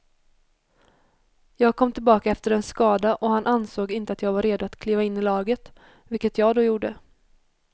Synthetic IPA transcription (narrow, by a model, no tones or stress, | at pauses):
jɑːɡ̚kʰɔmːt̪ʰɪlbɑːkaɛft̪əɾɛnskɑːd̪aʔɔhanʔansoːɡɪnt̪əat̪jɑːɡvaɾeːd̪ʊat̪kʰliːvaɪnːɪlɑːɡət̪ | vɪlkət̪jɑːɡd̪ɔjuːɖə